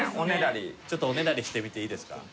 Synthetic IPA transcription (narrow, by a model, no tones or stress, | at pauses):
oneɾaɾʲit͡ɕo̞t̪ːoone̞ɾaɾʲiɕi̥t̪e̞mʲit̪e̞iːd̪e̞sɨ̥ka̰